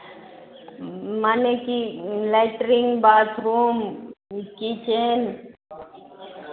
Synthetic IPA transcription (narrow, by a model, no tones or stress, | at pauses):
manekilaʈɾiŋɡbaːt̪ɾuːm | kit͡ʃen